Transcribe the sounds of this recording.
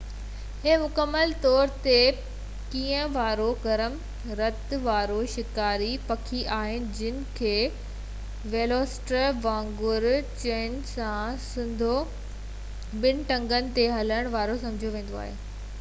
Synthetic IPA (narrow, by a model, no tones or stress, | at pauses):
ɦemʊkəmːəlt̪ɔːɾt̪e | kiːə̃ʋaːɾoɡɐɾəm | ɾɐt̪ʋaːɾoʃɪkaːɾipɐkʰiʔaːɦɪnɪ̆d͡ʑɪnɪ̆kʰeː | ʋeːloːsʈɾəʋãːŋɡʊɾt͡ɕẽːnsãsɪ̃nd̪ʱo | ɓɪn̆ʈɐ̃ŋɡənɪ̆t̪eɦɐləɽ̃ʋaːɾosɐ̃md͡ʑʱjoʋẽːn̆d̪oa̰ːɦḛː